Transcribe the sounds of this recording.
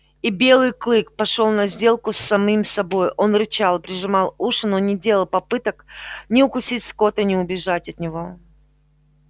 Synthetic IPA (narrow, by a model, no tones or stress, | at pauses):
ibʲe̞lˠɨjklˠɨk̚pɐʂo̞lˠnɐzʲdʲe̞lˠkʊsːɐmimsɐbo̞jʔo̞nrɨt͡ɕalˠpɾʲɪʐɨmɑlˠuʂɨnonʲɪdʲe̞lˠəlˠpɐpɨt̪əknʲɪʊkʊsʲitʲsko̞t̪ənʲɪʊbʲɪʐatʲɐt̪nʲɪvo̞